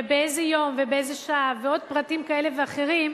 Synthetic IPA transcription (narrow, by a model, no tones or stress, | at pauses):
beejzejo̞mvebeezeʃaʔaveo̞d̚pʁatimkaeleveaχeʁim